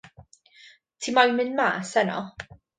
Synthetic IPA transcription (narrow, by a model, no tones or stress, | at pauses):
tʰiːmajmɨnma̰ːsɛnɔ̰